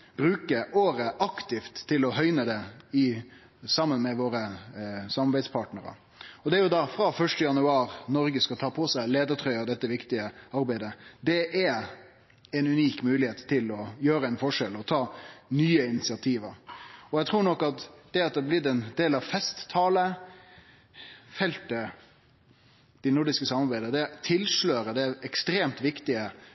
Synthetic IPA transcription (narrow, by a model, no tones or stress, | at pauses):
b̥ɾʉːkəʔoːɾəʔɑkt̪ɪft̪ʰːɪlɔɦœʏnəd̪ɛɪ | sɑmːənmɛʋoːɾəsɑmɑɾbæɪd̪spʰɑʈnəɾə̰ | ɔd̪ɛæɾjʊd̪ɑfɾɑfœʂʈəjɑnʉɑːɾnɔɾɡəskɑt̪ʰɑːpʰɔsæɪleːd̪əʈʰɾœʏɑd̪ɛt̪ːəʋɪkt̪ɪəɑɾbæɪd̪əd̪ɛʔæ | ɛnʉniːkmʉːlɪheːt̪ʰːɪlɔjøːɾəɛɪnfɔʂɛlɔt̪ʰɑːnyːəɪnɪt̪sɪɑt̪ʰiːʋəɾɔjɛt̪ʰɾuːɾɳɔkːɑt̪d̪̥ɛɑt̪̚d̪ɛblɪd̪ɛnd̪eːlɑʋfɛst̪ːʰɑːlə | fɛlt̪ə | d̪̥ɪnʊɾɖ̪ɪskəsɑmːɑɾbæɪd̪əd̪ɛt̪ʰɪlʂløːɾəd̪ɛɛkst̪ɾeːmt̪ʋɪkt̪ɪə